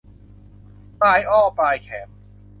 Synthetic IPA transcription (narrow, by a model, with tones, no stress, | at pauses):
paː˧jʔɔː˥˩paː˧jkʰɛː˩˦m